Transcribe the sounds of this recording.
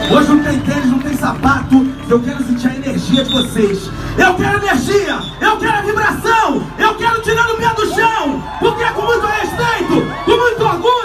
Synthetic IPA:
oʒɪũt̪ẽj̃t̪ẽɾɪznɐ̃w̃t̪ẽj̃sapat̪ʊewkɛɾʊɐsĩt͡ʃiaɾeneɾʒiɐd͡ʒɪvoses | ewkɛɾʊeneɾʒiɐ | ewkɛɾʊɐvibɾasɐ̃w̃ewkɛɾʊt͡ʃiɾad̪ʊmed̪ʊʃɐ̃w̃ | pʊɾkeɛkõmũzãheʃpejt̪ʊkõmũj̃t̪ʊoɾɡũɲ

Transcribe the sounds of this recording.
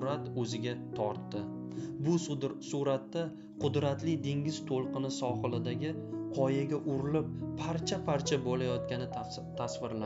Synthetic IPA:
ɾat̪ɵzɪɡʲat̪ʰɒɾt̪ːɪ | bʊsuɾat̪ːa | qʰʊd̪ɾat̪lɪd̪e̞ŋɡʲɪz̥t̪ʰolˠqɨnɪsɒχɨlˠɪd̪aɡʲɪqʰɒjaɡʲaʔʊɾɪlɪp̚ːʰaɾt͡ʃʰapʰaɾt͡ʃʰabolajɒt̪̚kʲanɪ | t̪ʰasvɪɾla

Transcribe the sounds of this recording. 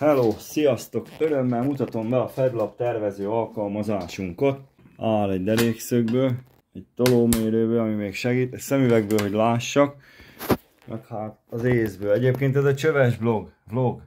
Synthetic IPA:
hɛloːsijɒst̪o̞køɾømːɛlmut̪ɒt̪o̞mbɛɒfɛd̪lɒp̚t̪ɛrvɛzøːɒlkɒlmɒzaːʃuŋkot̪̚ | aːlɛɟd̪ɛɾeːksøɡ̚bøːl | ɛc̚t̪o̞loːmeːɾøːbøːɒmimeːkʃɛɡiːt̪ɛsɛmyvɛɡ̚bøːlɦo̞ɟlaːʃːɒk | mɛ̰rt̪haːt̪ɒzeːzbøːlɛɟeːp̚keːnt̪ɛzɛt͡ʃøvɛʒblo̞ɡbloɡ

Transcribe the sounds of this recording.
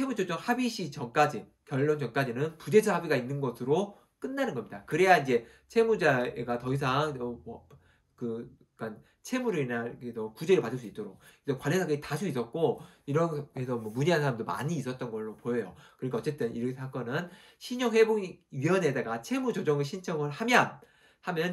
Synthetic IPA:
t͡ɕʰemut͡ɕʰod͡ʑʌŋhabiɕʰit͡ɕʌŋk͈ad͡ʑi | kjʌɭːond͡ʑʌŋk͈ad͡ʑinɯnpude̞d͡ʑʰʌhabiɡainːɯnɡʌsʰɯɾo | k͈ɯnːanɯnɡʌmɲidakɯɾe̞jaind͡ʑe̞ | t͡ɕʰe̞mud͡ʑaḛɡatʌis̬ʰaŋʌmʌ | kɯ | k͈an | t͡ɕʰe̞muɾɯinaketʌkud͡ʑe̞ɾɯɭpadɯɭs͈uit͈oɾok̚ʰesʰʌkwaɭːesʰaɡetasʰuis͈ʌt̚k͈oiɾʌnesʰʌmwʌmuɲiɦansʰaɾamndoma̰ɲiːs͈ʌt̚t͈ʌnɡʌɭːopojʌjokɯɾik͈ʰeʌt͡ɕ͈et͈ɯnḭɾkʰsʰak͈ʌnɯn | ɕʰiɲoŋwe̞boɥiʌne̞daɡat͡ɕʰe̞mud͡ʑod͡ʑʌŋɯɭɕʰint͡ɕʰʌŋɯɭhamjʌn | hamjʌn

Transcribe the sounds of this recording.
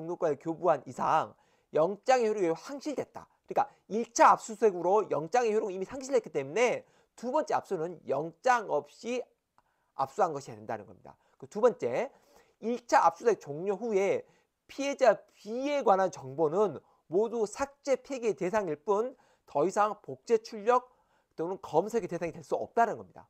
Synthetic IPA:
oŋɲok͈waekjobuɦanisʰaŋ | jʌŋt͡ɕ͈aŋeçjoɾjoɡeohaŋɕʰiɭde̞t̚t͈a̰kɯɾik͈a | iɭt͡ɕʰaap̚s͈usʰe̞ɡɯɾojʌŋt͡ɕ͈aŋeçjoɾoɡimisʰaŋɕʰiɭdet̚ki̥t͈emune̞ | tubʌnt͡ɕ͈ea̰p̚s͈onɯnjʌŋt͡ɕ͈aŋʌp̚ɕ͈i | a̰p̚s͈uɦanɡʌɕʰiadenda̰nɯ̰nɡʌmɲid̥a̰ | kɯtubʌnt͡ɕ͈e̞ | iɭt͡ɕʰaa̰p̚s͈usʰek̚t͡ɕoŋɲoɸue̞ | pʰie̞d͡ʑapie̞ɡwanɦant͡ɕʌŋbonɯn | modusʰak̚t͡ɕ͈e̞pʰeɡiete̞s̬ʰaŋiɭp͈un | tʌisʰaŋpok̚t͡ɕ͈e̞t͡ɕʰuʎːʌk̚ | ɯtomunkʌmsʰe̞ɡete̞sʰaŋitwe̞ɭs͈uʌ̰p̚t͈anɯnɡʌmɲida̰

